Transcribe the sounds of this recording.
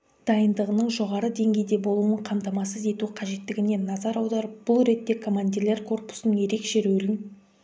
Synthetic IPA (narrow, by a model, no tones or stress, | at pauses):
d̪̥ɑjənd̪əʁənəɴʒo̞ʁɑɾəd̪e̞ŋɡʲe̞jd̪e̞bo̞lˠuəɴqʰɑmt̪ɑmɑsəze̞t̪uqʰɑʒe̞t̪ːɪɡʲɪne̞nːɑzɑɾɑwd̪ɑɾəp̚b̥ʊlˠɾe̞t̪ːe̞kʰo̞mand̪ʲiɾlʲe̞ɾkʰo̞rpu̥sənəŋje̞ɾe̞kʃe̞ɾɵlɪn